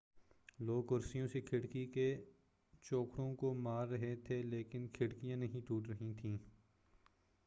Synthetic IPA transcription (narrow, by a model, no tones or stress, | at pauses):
loːɡʊɾsijõsekʰɪɽkike | t͡ʃoːkɽõkomaːɾːɐɦet̪ʰeleːkɪnkʰɪɽkijãnɐɦĩʈ̪uːʈɾɐɦĩt̪ʰĩː